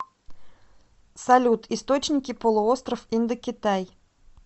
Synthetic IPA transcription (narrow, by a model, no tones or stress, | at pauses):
sɐlʲut̪ʰɪst̪ot͡ɕnʲɪkʲɪpəlˠʊost̪ɾəfind̪əkʲɪt̪aj